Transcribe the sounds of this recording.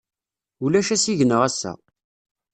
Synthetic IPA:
ulæʃæsiʝənəʁæsːæ̰

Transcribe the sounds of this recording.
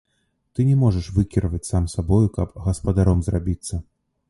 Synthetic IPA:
t̪ɨnʲɛmɔʐɐʂvɨkʲiɾvɐt͡sʲsamsabɔjukɐpɣɐspɐd̪aɾɔmzrabʲit̪sːɐ

